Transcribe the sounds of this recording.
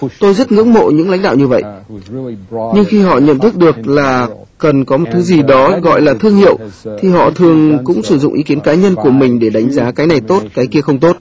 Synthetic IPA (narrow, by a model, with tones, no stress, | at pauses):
t̪o˧jzə˦˥t̚ŋɨ̰˧˥ŋmo̰˧˨ɲɨ̰˧˥ŋla̰˧˥jŋ̟ɗa̰ː˧˨wɲɨ˧və̰˧˨j | ɲɨ˧ŋxi˧ɦɔ̰˧˨ɲə̰˧˨nt̪ʰɨ˦˥k̚ɗɨ˨˩ək̚laː˨˩ | kə˨˩nkɔ˨˦mo˨˩t̚t̪ʰɨ˨˦zi˨˩ɗɔ˨˦ɣɔ̰˧˨jlaː˨˩t̪ʰɨ˧əŋhḭ˧˨əwt̪ʰi˨˩ɦɔ̰˧˨t̪ʰɨ˨˩əŋkʊ̰˧˥ŋ͡msɨ˧˩zʊ̰˧˨ŋ͡mʔi˨˦ki˨˦ənkaː˨˦ɲə˧nku˧˩əmï˨˩ŋ̟ɗe˧˩ɗa˨˦jŋ̟zaː˨˦kaː˨˦jna˨˩jt̪o˦˥t̚kaː˨˦jki˧əxə˧wŋ͡mt̪o˦˥t̚